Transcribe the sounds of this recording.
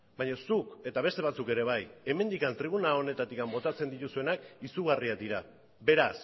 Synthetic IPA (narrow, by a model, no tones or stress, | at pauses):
bajɲosuke̞t̪aβ̞e̞st̪e̞β̞at͡suke̞ɾe̞β̞aje̞me̞nd̪ikant̪ɾiβ̞unao̞ne̞t̪at̪ikambo̞t̪at͡se̞nd̪it̪usue̞nakisuɣariad̪iɾa | be̞ɾas